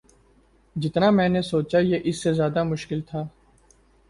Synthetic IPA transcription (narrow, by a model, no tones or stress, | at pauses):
d͡ʒɪt̪namɛ̃ːnesoːt͡ʃajeːʔɪsːezjaːd̪amʊʃkɪlt̪ʰaː